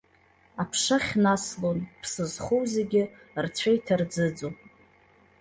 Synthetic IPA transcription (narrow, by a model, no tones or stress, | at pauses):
apʰʂaχʲnaslonpʰsɨzχowzeɡʲɪ | rt͡sʷʰaitʰard͡zɨd͡zo